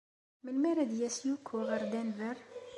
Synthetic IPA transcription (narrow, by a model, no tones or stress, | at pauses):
mənmæɾæd̪jæsjukʰːuʁəɾd̪ænvəɾ